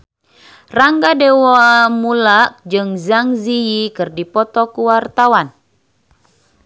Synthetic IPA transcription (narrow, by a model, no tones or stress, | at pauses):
raŋɡadewamulak̚d͡ʒɨŋzaŋziikɨrdipɔt̪ɔkuwart̪awan